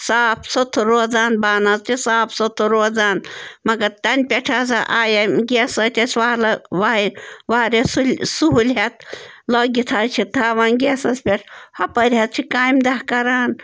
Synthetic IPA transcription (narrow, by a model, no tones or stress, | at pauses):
saːpʰsot̪ʰuɾoːd͡zaːnbaːnɐzt͡ʃʰisaːpʰsot̪ʰuɾoːzaːnmɐɡɐɾt̪ɐnpʲeʈʰaːzɐʔaːjɐmɡʲesɐt̪ʲɐsʲʋaːlɐʋaːʋaːɾʲesulsuɦulɦɐt̪̚lɐɡʲit̪ʰat͡ʃʰit̪ʰaːʋaːnɡesɐsʲpʲeʈʰhɐpɐɾʲɦɐt̪̚t͡ʃʰikaːjmd̪ɐɦkɐɾaːn